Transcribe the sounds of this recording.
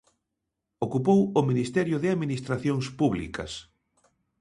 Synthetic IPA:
okupowʊminist̪ɛɾjʊðeaðminist̪ɾaθjoŋspuβlḭkɐ̰s

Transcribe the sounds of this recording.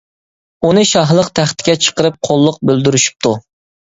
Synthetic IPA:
unɨʃɑɦlˠəqt̪ʰæχt̪ʰɪ̥ɡʲɛt͡ʃʰə̥qəɾɨp̚qʰolˠːʊq̚bøld̪yɾyʃy̥p̚t̪ʰu

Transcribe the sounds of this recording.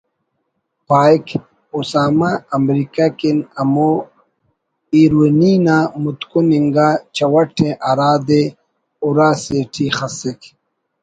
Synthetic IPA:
paːjk | usaːmaːmɾikakinɐmo | iːɾweniːnaːmut̪kuniŋɡaːt͡ɕɐwɐʈʰẽʔɐɾaːd̪e | uɾaːseːʈʰixɐsek

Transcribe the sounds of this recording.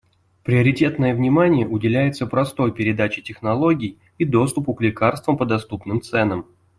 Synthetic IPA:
pɾʲɪɐɾʲɪtʲe̞t̪nəjəvnʲɪmanʲɪjəʔʊdʲɪlʲæjɪt̪səpɾɐst̪o̞jpʲɪɾʲɪd̪at͡ɕɪtʲɪxnɐlˠo̞ɡʲɪj | id̪o̞st̪ʊpʊklʲɪkarst̪vəmpəd̪ɐst̪upnɨmt̪sɛnəm

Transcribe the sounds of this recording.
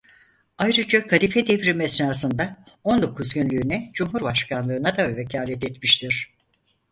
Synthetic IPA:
ajɾɯd͡ʒakʰalifɛd̪ɛvɾimɛsnaːs̬ɯnd̪a | o̞nd̪o̞kʰuzɟynlʲyːnɛd͡ʒumɦuɾbaʃkʰanlˠɯːnad̪avecʰaːlʲɛt̪ɛt̪miʃt̪ʰiɾ̥

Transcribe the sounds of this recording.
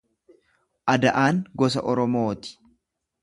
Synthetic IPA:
ʔɐd̪ɐʔaːŋɡɔs̬ɐ̰ʔɔɾɔmoːt̪ɪ̥

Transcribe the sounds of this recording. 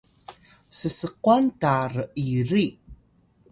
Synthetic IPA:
səsəquantarəʔiɾi

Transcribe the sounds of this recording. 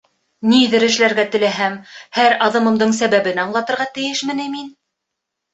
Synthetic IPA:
niðɘ̆ɾɘ̆ʃlæɾɡæt̪ɘ̆læɦæmhæɾɑðɤ̆mɤ̆md̪ɤɴsæβæβɘnɑɴlˠɑt̪ɤ̆ɾʁɑt̪ɘ̆jɘʃmɘ̆nɘmin

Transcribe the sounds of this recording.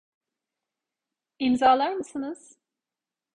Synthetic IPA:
imzaːlˠaɾmɯsɯnɯz̥

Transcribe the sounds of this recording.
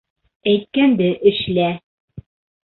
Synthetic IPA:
æjt̪̚kænd̪ɘʔɘ̆ʃlæ

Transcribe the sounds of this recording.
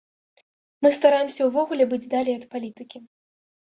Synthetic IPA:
mɨst̪aɾajɛmsʲɐwvɔɣulʲɛbɨd͡zʲd̪alʲiɐt̪palʲit̪ɨkʲi

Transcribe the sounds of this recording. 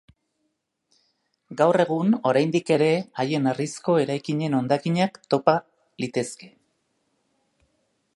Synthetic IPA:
ɡawre̞ɣ̞uno̞ɾajnd̪ike̞ɾe̞aje̞narisko̞e̞ɾajkiɲe̞no̞nd̪akiɲakt̪o̞pa | lit̪e̞ske̞

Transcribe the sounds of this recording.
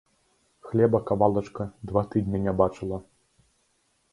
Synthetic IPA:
xlʲɛbɐkavalˠɐt͡ʂkɐd̪vat̪ɨd̪ʲnʲɐnʲabat͡ʂɨlˠɐ

